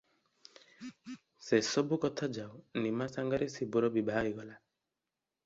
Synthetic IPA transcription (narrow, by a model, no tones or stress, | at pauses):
sɛsɔbukɔt̪ʰad͡ʒawnimasaŋɡaɾesibuɾɔbibʱaaiɡɔla